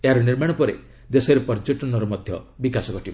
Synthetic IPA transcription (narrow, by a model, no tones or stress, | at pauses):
eɦaɾɔniɾmaɽ̃ɔpɔɾḛ | d̪esɔɾepɔɾd͡ʒoʈɔnɔɾɔmɔd̪ʱjɔbikasɔɡɔʈiba